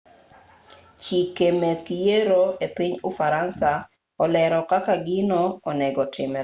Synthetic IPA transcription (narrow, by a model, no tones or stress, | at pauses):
t͡ʃikemekijeɾoepiɲʊfaɾansa | ɔlɛɾɔkakaɡɪnɔːnɛɡɔtʰɪmɛ